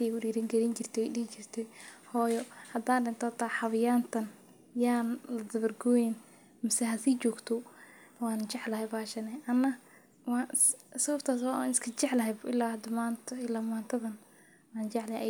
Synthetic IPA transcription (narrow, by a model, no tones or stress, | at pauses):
t̪ikʊɖiːɾɪŋɡɐɾɪnt͡ʃɪrt̪ʰɛdɪht͡ʃɪrt̪ʰɛhɔːjɔhɐd̪aːnɖɪnt̪ʰɔt̪ʰaħɑβɪjaːnt̪ʰɐn | jaːnlɐd̪ɐβɐrɡɔːjɛn | mɪsɛɦɐsiːt͡ʃɔːɡt̪ʰɔ | waːnt͡ʃɛʕlɐɦɛbaːʃɐnɛʔɐnːɐ | wɑːsɐβɐbt̪ʰaːs̬waa̰nɪskʰɐt͡ʃɛʕlɐɦɛjbʔɪlːaːhɐd̪ɐmaːnt̪ʰɐɪlaːmaːnt̪ʰɐðɐn | waːnt͡ʃɛʕlɐhɛʔ